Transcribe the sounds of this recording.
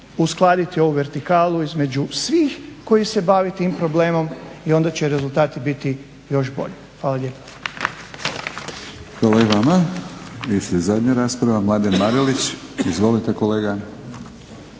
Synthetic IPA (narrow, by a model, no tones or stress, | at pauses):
usklˠaːd̪it̪io̞ʋuʋe̞ɾt̪ikaːluizme̞d͡ʒusʋiːxko̞jise̞baʋet̪iːmpɾobleːmo̞mio̞nd̪at͡ɕe̞ɾe̞zulˠt̪aːt̪ibit̪i | jo̞ʃbo̞̰ʎi | xʋaːlaʎeːpḁ | xʋaːlaiʋama | ist̪ezad̪ɲaɾaːspɾaʋamlˠaːd̪enmaɾelit͡ɕ | izʋo̞lit̪ekoleːɡa